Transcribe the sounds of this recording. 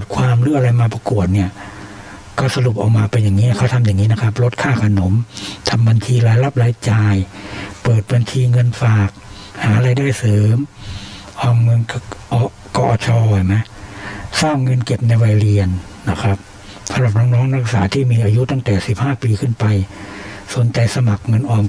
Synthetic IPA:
t̪̚kʰwaː˧mɾɯː˦˥˩ʔɾa˧jmaː˧pa˧ku˨˩ət̪̚ni˥˩ɐ | kɔː˥˩sa˧ɾu˨˩p̚ʔa˨˩wmaː˧pa˧njaː˨˩ŋːiː˦˥a˦˩kʰa˦˥˩t̪ʰa˧mjaː˨˩ŋːiː˦˥na˦˥kʰa˦˥p̬̚ɾo˦˥t̪̚kʰaː˥˩kʰa˧no˩˦mt̪ʰa˧mba˧nt͡ɕʰiː˧laː˨˦˥jla˦˥p̚laː˦˥jt͡ɕaː˧jpɤː˨˩t̪̚ba˧nt͡ɕʰiː˧ŋɤ˧nfaː˨˩k̚ | haː˩˦˧ɾa˧jdaː˥˩jsɤː˨˩˦m | ʔɔː˧˩mːɤ˧nʔɔː˧ | kɔː˧ʔɔː˨˧˩t͡ɕʰɔː˧ha˨˩jma˦˥jsaː˥˩ŋːɤ˧nke˨˩p̚na˧jwa˧jɾi˧ənː | a˦˥˩kʰɾa˦˥p̚ | sa˨˦mɾa˨˩p̚nɔː˦˥ŋnɔː˦˥ŋɾa˦˥k̚saː˩˦t̪ʰiː˥˩miː˧ʔaː˧ju˦˥t̪a˥˩ŋt̪ɛː˨˩si˨˩p̚haː˥˩piː˧kʰɯ˥˩npa˧jso˩˦nt͡ɕa˧jsa˧ma˨˩k̚ŋɤ˧nʔɔː˧m

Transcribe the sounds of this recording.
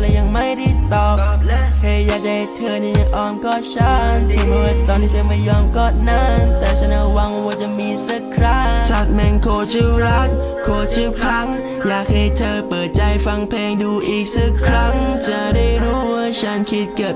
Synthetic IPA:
lɛː˧jaː˧ŋma˥˩jdi˧˩t̪ɔː˨˩p̚lkʰaː˧jaː˨˩k̚t͡ɕa˧ht̪ʰɤː˧ni˧˩ɲa˧ŋʔɔː˧nkɔː˧˩t͡ɕʰa˥nʰ˧mu˧˨˩t̪ɔː˧nt̪ʰiː˧˩pe˧ma˧˩jɔː˧mkɔː˧˩t̪̚na˧˥˩t̪ɛː˨˩sʰa˧˩na˧˥wa˧ŋwaː˧t͡ɕa˨miː˧sa˧˩kʰɾa˦˥sa˨˩t̪̚mɛ˧nkʰoː˧t͡ɕʰɯː˥˧˩ɾa˦˥k̚ | kʰːoː˧t͡ɕʰɯː˧˩kʰa˦˥ŋ | jaː˨˩k̚haː˧˩jt̪ʰɤː˧pɤː˨˩t̪̚t͡ɕa˧jfa˧ŋpʰeː˧ŋduː˧ʔiː˨˩k̚sɯ˧˥˩kʰɾa˦˥ŋt͡ɕa˨˩da˥˩jɾuː˦˥waː˧˥˩t͡ɕʰa˦˥nkʰi˦˥t̪̚ka˨˩p̚

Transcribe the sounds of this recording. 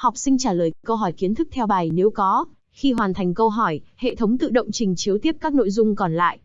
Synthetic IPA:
hɔ˨˩wk͡p̚sï˧ŋ̟t͡ɕaː˧˩ləː˨˩jkə˧wɦɔ˧˩jki˨˦ənt̪ʰɨ˦˥k̚t̪ʰɛ˧wɓaː˨˩jne˨˦wkɔ˨˦ | xi˧ɦwaː˨˩nt̪ʰa˨˩jŋ̟kə˧wɦɔ˧˩jhḛ˧˨t̪ʰə˨˦wŋ͡mt̪ɨ̰˧˨ɗə̰˧˨wŋ͡mt͡ɕï˨˩ŋ̟t͡ɕi˨˦əwt̪i˦˥əp̚kaː˦˥k̚no̰˧˨jzʊ˧ŋ͡mkɔ˨˩nla̰ː˧˨jʔ

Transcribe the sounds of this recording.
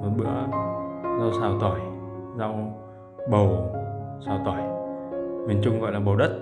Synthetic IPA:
ə˨˩ɓɨ̰˧˥ə | zaː˧wsaː˨˩wt̪ɔː˨˧˩jza˧w | ɓə˨˩wsaː˨˩wt̪ɔː˧˩j | ŋwi˨˩ənt͡ɕʊ˧ŋ͡mɣɔ̰˧˨jlaː˨ɓə˨˩wɗə˦˥t̚

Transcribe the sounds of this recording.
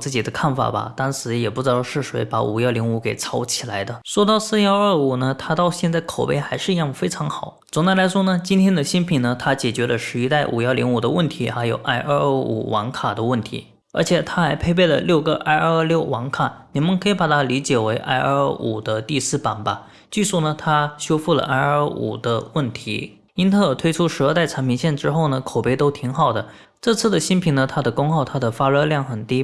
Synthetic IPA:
t͡sɹ̩˥˩t͡ɕi˨˩d̪ə˦kʰa˥˩nfa̰˨˩bɐ̰˩t̪ɑ˥ŋʂɻ̩˧˥jɛ˨˩pu˥˩ʈ͡ʂɻ̩˧˥t̪ɑ˥˧ʂɻ̩˥˩ʂwe˧˥ɪpa˧˥ṵ˨˩jɑ˥˩ʊli˧˥ŋu˧˥ke˨˩ɪt͡sʰɑ˧˥ʊt͡ɕʰi˨˩la˧˥ɪd̪ə˧ʂwɔ˥t̪ɑ˥˧ʊsɹ̩˥˧jɑ˥˧ʊə˞˥˩u˨˩nə˦t̪ʰa˥t̪ɑ˥˧ʊɕjɛ˥˧nt͡sa˥˩ɪkʰo˨˩ʊpe˥˩ɪxa˧˥ɪʂɻ̩˥˧i˧˥jɑ˥˩ŋfe˥ɪʈ͡ʂʰɑ˧˥ŋxɑ˨˩˦ʊt͡sʊ˨˩ŋt͡sa˥˩la˧˥ɪʂwɔ˥nə˨t͡ɕi˥nt̪ʰjɛ˥nd̪ə˨ɕi˥npʰi˨˩nə˦t̪ʰa˥t͡ɕjɛ˨˩t͡ɕɥɛ˧˥lə˧ʂɻ̩˥˧i˧˥t̪a˥˩ɪʔu˨˩jɑ˥˩ʊlḭ˧˥ŋu˨˩d̪ə˦wə˥˩nt̪ʰi˧˥xa˧˥ɪjo̰˨˩ʊʔa˥ɪʔə˥˧˥ṵ˨˩wʔɑ̰˧˥ŋkʰa˨˩d̪ə˦wə˥˩nt̪ʰḭ˧˥ | ə˞˧˥t͡ɕʰjɛ˨˩t̪ʰa˥xa˧˥ɪpʰe˥˧ɪpe˥˩ɪlə̰˩ljo˥˩ʊɡə̰˧ʔa˥ɪə˞˥˧˥ljo˥˩ʊwɑ˧˥ŋkʰa˨˩ni˨˩mə˧nkʰɤ˧˥i˧˥˩pa˨˩t̪ʰa˥li˧˥t͡ɕjɛ˨˩we˧˥ɪʔa̰˥˧ɪʔə˞˥˧˥ṵ˨˩d̪ə˦t̪i˥˧sɹ̩˥˩pa˨˩nba˧ | t͡ɕy˥˧ʂu˥˩nə˩t̪ʰa˥ɕjo˥ʊfu˥˩lə̰˩ʔa˥ɪəə˥˧˥ṵ˨˩d̪ə˦wə˥˩nt̪ʰi˧˥ | i˥nt̪ʰɤ˥˩t̪ʰwe˥ɪʈ͡ʂʰu˥ʂɻ̩˧˥ə˞˧t̪a˥˩ɪʈ͡ʂʰa˧˥nmpʰi˧˥ŋɕjɛ˥˩nʈ͡ʂɻ̩˥xo˥˩ʊnə˩kʰo˨˩ʊpe˥˧ɪt̪o˥ʊt̪ʰi˧˥ŋxɑ˨˩ʊd̪ə˦ | ʈ͡ʂɤ˥˧t͡sʰɹ̩˥˩d̪ə˩ɕi˥npʰi˧˥ŋnə˧t̪ʰa˥d̪ə˨kʊ˥ŋxɑ˥˩ʊt̪ʰa˥d̪ə˨fa˥ɻɤ˥˧ljɑ˥˩ŋxə˨˩nt̪i˥

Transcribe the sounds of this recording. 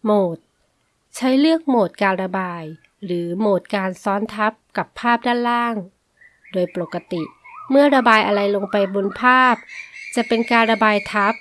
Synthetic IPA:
moː˨˩t̪̚ | t͡ɕʰa˦˥jlɯ˥˩ək̚moː˨˩t̪̚kaː˧nɾa˧baː˧j | ɾɯː˩˦moː˨˩t̪̚kaː˧nsɔː˦˥nt̪ʰa˦˥p̚ka˨˩pʰːaː˥˩p̚daː˥˩nlaː˥˩ŋ | doː˧jpo˨˩kːa˧t̪i˨˩ʔmɯ˥˩ɐɾa˧baː˧jʔa˧ɾa˧jlo˧ŋpa˧jbo˧npʰaː˥˩p̚t͡ɕa˨˩pe˧nkaː˧nɾa˧baː˧jt̪ʰa˦˥p̚

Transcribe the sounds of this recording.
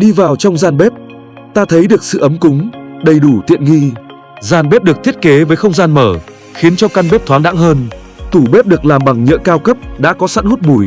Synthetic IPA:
ɗi˧vaː˨˩wt͡ɕɔ˧wŋ͡mzaː˧nɓɛ˦˥p̚ | t̪aː˧t̪ʰə˨˦jɗɨ˨˩ək̚sɨ̰˧˨ʔə˨˦mkʊ˨˦ŋ͡mɗə˨˩jɗu˧˩t̪ḭ˧˨ənŋi˧ | zaː˨˩nɓɛ˦˥p̚ɗɨ˨˩ək̚t̪ʰi˦˥ət̚ke˨˦vəː˨˦jxə˧wŋ͡mzaː˧nməː˧˩ | xi˨˦ənt͡ɕɔ˧ka˧nɓɛ˦˥p̚t̪ʰwaː˨˦nɗa̰ː˧˥ŋɦəː˧n | t̪u˧˩ɓɛ˦˥p̚ɗɨ˨˩ək̚laː˨˩mɓa˨˩ŋɲə̰˧˥kaː˧wkə˦˥p̚ɗa̰ː˧˥kɔ˨˦sa̰ː˧˥nhu˦˥t̚ɓu˧˩j

